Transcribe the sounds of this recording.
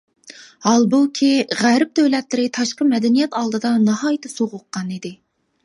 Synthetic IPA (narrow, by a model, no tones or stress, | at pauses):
hɑlˠbukʲʰiʁæɾɪp̚d̪øwlɛt̪lɪɾɪt̪ʰɑʃqəmɛd̪ɛnijɛt̪ɑlˠd̪ɨd̪ɑnɑhɑjt̪ʰɨsoʁʊqːɑnid̪ɪ